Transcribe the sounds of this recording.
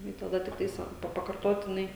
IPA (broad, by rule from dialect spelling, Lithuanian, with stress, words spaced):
ˈnʊ ɪ tɐˈdɐ tʲɪkˈtɐɪs ʋɐ ˈpɐ pɐkɐrˈtoːtʲɪnɐɪ